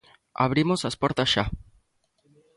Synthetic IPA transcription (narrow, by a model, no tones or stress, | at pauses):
a̰βɾimosaspoɾt̪asʃa